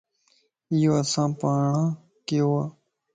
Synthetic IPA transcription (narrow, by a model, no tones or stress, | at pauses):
ijoːəsãːpaːɳãː | keoaː